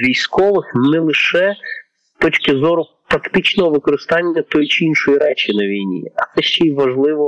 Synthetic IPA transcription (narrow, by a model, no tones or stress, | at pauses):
ʋʲijsʲkɔʋɪxnɛlˠɪʃɛ | t̪ɔt͡ʃʲkɪzɔɾʊpɾɐkt̪ɪt͡ʃnɔɦɔʋɪkɔɾɪst̪ɑnʲːɐt̪ɔjʊt͡ʃɪinʃɔjiɾɛt͡ʃɪnɐʋʲijnʲḭɐt̪sɛʃt͡ʃɛiʋɐʒlˠɪʋɔ